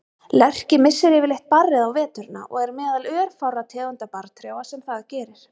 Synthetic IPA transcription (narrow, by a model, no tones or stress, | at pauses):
lɛr̥cɪmɪsːɪɾɛːvɪɾlejht̪̚parːɪðawvɛːt̪ʏɾɪnːa̰ʔɔɣɛɾmɛːðalœːɾ̥fawɾat̪ʰɛːðʏnt̪apaɾt̪ʰɾjawasɛmθaðacɛːɾɪɾ̥